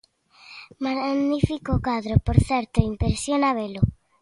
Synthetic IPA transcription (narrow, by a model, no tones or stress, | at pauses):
maɣnifikokwaðɾopoɾθɛɾt̪oimpeɾsjonaβelo